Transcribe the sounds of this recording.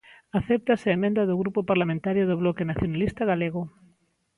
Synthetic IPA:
aθɛp̚t̪asɪaemẽnd̪aðʊɣɾupopaɾlamẽnt̪aɾjoðʊβlɔkenaθjonalist̪aɣaleɣʊ

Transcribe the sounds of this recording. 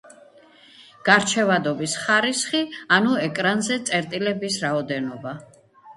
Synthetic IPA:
ɡ̥aɾt͡ʃʰɛvad̪ɔbisχaɾisχianuɛkʼɾanzɛt̪sʼɛɾt̪ʼilɛbisɾaɔd̪ɛnɔba

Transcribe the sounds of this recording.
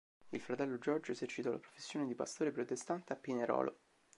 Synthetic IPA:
ilfɾat̪ɛlːod͡ʒɔrd͡ʒoezert͡ʃːit̪ɔlapɾofesːjoːned̪ipa̰st̪oːɾepɾot̪est̪ant̪eapːineɾɔ̰ːlʔo̰

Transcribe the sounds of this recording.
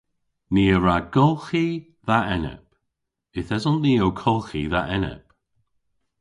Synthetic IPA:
niːəɹaɡ̥ɔlˠxi | ðaɛnɛ̰p | ɪθɛzɔnniːowkʰɔlˠxiðaʔɛnɛ̰p

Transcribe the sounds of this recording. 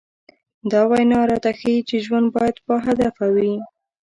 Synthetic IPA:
d̪ɑwajnɑɾɑt̪axajit͡ʃeʒwand̪̚bɑjad̪pəɦad̪afawi

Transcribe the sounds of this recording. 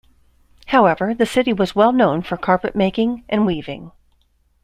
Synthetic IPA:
haʊɛvə˞ðɨsɪɾiwʌzwɛlˠnõʊ̃nfə˞kʰɑɹpɨʔ̚meɪkɪ̃ŋʔɨ̃nwivɪ̃ŋ

